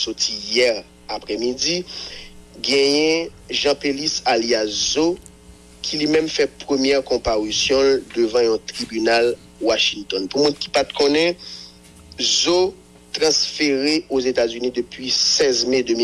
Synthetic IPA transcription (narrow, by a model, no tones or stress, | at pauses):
sot̪ijɛʁ | apʁɛmid͡zi | ɡɛ̃jɛ̃ | ʒɑ̃pelisaliazo | kʰilimɛ̃mfɛpʁəmjɛʁkɔ̃paʁisjɔ̃ld̪øvɑ̃jɔ̃t̪ʁibynal | waʃĩnt̪ɔnpumũnki̥pat̪̚kʰɔ̃nɛ̃ | zo | t̪ʁɑ̃sfeʁeozet̪azynĩd̪øpɥisɛzmed̪ømi